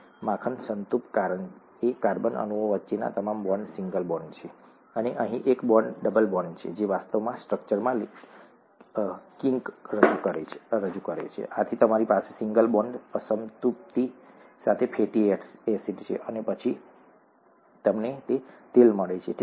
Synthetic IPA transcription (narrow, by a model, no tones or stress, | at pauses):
mãkʰənsənt̪upkaɾən | ekaɾbənə̰nuʋoʋətːʃena̰t̪əmambɔɳɖsiŋɡəlbɔɳɖt͡ʃʰe | əneʔəɦĩʔekbɔɳɖɖəbəlbɔɳɖt͡ʃʰḛd͡ʒeʋast̪əʋmãsʈɾək̚t͡ʃəɾmãl | kĩŋkɾəd͡ʒukəɾeɾəd͡ʒukəɾḛt͡ʃʰḛʔat̪ʰit̪əmaɾipasesiŋɡəlbɔɳɖəsəmt̪up̚t̪i | sat̪ʰepʰeʈieʈsesiʈt͡ʃʰḛʔənepət͡ʃʰi | t̪əmnet̪et̪elməɭet͡ʃʰeʈ